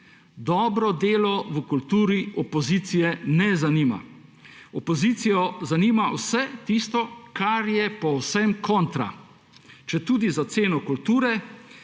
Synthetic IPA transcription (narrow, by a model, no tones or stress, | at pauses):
d̪ɔːbɾɔd̪eːlɔwəkult̪uːɾiɔpɔziːt̪sijɛnɛzaniːma̰ | ɔpɔziːt̪sijɔzaniːmawsɛt̪ist̪ɔkaɾjɛpɔwsɛmkʰɔ̃nt̪ɾa̰ | t͡ʃɛt̪uːd̪izat̪seːnɔkult̪uːɾɛ